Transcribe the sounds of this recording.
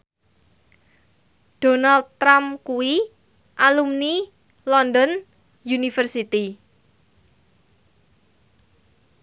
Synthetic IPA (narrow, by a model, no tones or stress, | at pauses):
ɖ̥o̤nald̪̚t̪ɾamkuwi | ʔalumni | lɔnd̪ɔn | junifərsit̪i